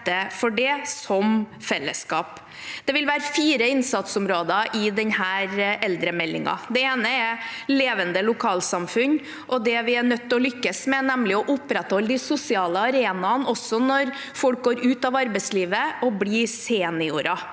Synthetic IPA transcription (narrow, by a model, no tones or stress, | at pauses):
əfɔɖɛsɔm | fɛlːəskɑːp | d̪̥ɛʋɪlʋæːɾəfiːɾəɪnsɑt̪sʊmɾoːd̪ɑʔɪd̪ɛnhæːɾʔɛld̪ɾəmɛlːɪ̰ŋɑ̰d̪ɛeːnəɛɾleːʋənd̪əlʊkʰɑːlsɑmfʉn | ʔɔd̪ɛʋɪænœt̪ːɔlʏkːəsmɛnɛmlɪɔʔʊpːɾɛt̪hɔlːd̪ɪsʊsɪɑːləɑɾeːnɑnɔsːɔnɔɾ | fɔlk̚ɡoːɾʉːt̪ɑʋɑɾbɛɪsliːʋəɔbliːseːnɪʊɾɑ